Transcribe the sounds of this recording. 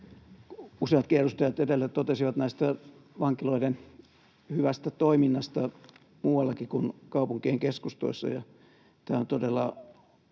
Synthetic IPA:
useɑt̪̚kierːust̪ɑjɑt̪edelːæt̪ot̪esiʋɑt̪næˑist̪æ | ʋɑŋkiloiden | hyʋæst̪æt̪oiminːɑst̪ɑ | muːwɑlːɑkikunkɑupuŋkieŋkeskust̪o̰isːɑ̰jɑ | t̪æːont̪odelːɑ

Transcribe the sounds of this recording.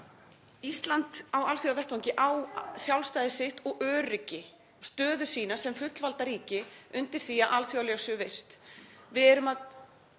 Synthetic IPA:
ist̪lant̪awalθjawvɛht̪awŋcɪʔawsjawlst̪aːjðɪsɪht̪ɔɣœːrɪcɪ | st̪œːðʏ̥siːnasɛmfʏt̪lvalt̪aɾiːcɪʏnt̪ɪɾ̥θiaʔalθjawlɛasʏvejr̥t̪vɪðɛɾʏmað

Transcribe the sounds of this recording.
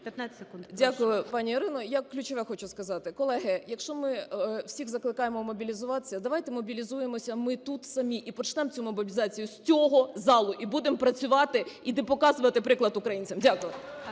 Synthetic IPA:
pʲt̪naskudʲakʊjʊpɑnʲiiɾɪnɔjaklʲʊt͡ʃɔʋɛxɔt͡ʃʊskɐzɑt̪ɪkɔlˠɛɦɪjɐkʃt͡ʃɔmɪwsʲiɣzɐklˠɪkɑjemɔmɔbʲilʲizʊʋɑt̪ɪ̥sʲɐd̪ɐʋɑjt̪ɛmɔbʲilʲizujemɔsʲɐmɪt̪ut̪sɐmʲiʔipɔt͡ʃnɛmt͡sʲumɔbʲibʲɪzɑt͡sʲijʊsʲt͡sʲɔɦɔzɑlˠʊʔibud̪empɾɐt͡sʲʊʋɑt̪ɪid̪epɔkɑzʊʋɐt̪ɪpɾɪklˠɐt̪ʊkɾɐjinʲt͡sʲɐmdʲakʊjʊ

